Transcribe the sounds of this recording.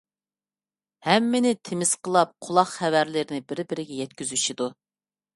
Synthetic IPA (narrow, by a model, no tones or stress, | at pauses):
hɛmːɪnɪt̪ʰemɪz̥qʰəlˠɑp̚qʰʊlˠɑχχævæɾlɪɾɪnɪbɪɾbɪɾɪɡʲɛjɛt̪kʲyzyʃid̪u